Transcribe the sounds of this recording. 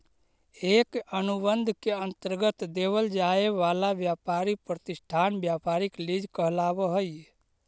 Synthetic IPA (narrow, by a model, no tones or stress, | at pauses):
ekənubənd̪ʱkeənt̪əɾɡət̪d̪eβəld͡ʒaeʋalabjapaɾipɾət̪isʈʰanbjapaɾiklid͡ʒʱkəɦlabəɦəj